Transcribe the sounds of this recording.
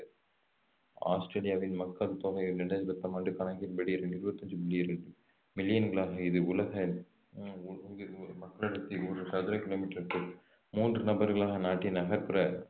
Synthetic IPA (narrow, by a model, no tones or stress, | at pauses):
a̰ːsʈɾeːlɪjaːʋɪnmɐkːɐlt̪oːɣɐnɛɳɖɐɯɾɐt̪ːɐmaːɳɖɯkɐnɐɣɪnbɐɽiɾɛɳɖɪɾɯbɐt̪ːɐɲd͡ʒɯbɪlːijɾɛɳɖɯ | mɪlːɪjɐnɡɐɭaːɣɐɪðɯʊlɐɣɐ | ɪðɯmɐkːɐɭɐɽɯt̪ːiɔɾɯsɐðɯɾɐkɪloːmiːʈːɐɾʈːɯ | muːndrɯnɐbɐɾɣɐɭaːɣɐnaːʈːinɐɣɐɾpɯɾɐ